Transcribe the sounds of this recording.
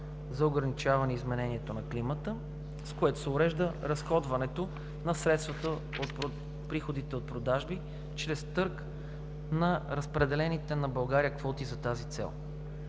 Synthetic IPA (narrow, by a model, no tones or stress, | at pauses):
zɐoɡɾɐnit͡ʃavɐnɛizmɛnɛniɛt̪onɐklimət̪ə | skoɛt̪o̥sɛʊɾɛʒd̪əɾɐsxɔd̪vɐnɛt̪o | nɐsɾɛt̪st̪vɐt̪ə | ot̪̚pɾo | pɾixod̪it̪ɛot̪̚pɾod̪aʒbi | t͡ʃɾɛst̪ɤɾk | nɐɾəspɾɛd̪ɛlɛnit̪ɛnɐbɐlˠɡaɾijəkvɔt̪izɐt̪azit̪sɛ̰lˠ